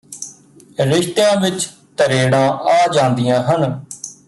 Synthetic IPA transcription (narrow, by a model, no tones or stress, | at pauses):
ɾɪʃt̪ejãːʋɪt͡ʃ | t̪əɾeːɽãːʔaːd͡ʒãːnd̪ijãːɦən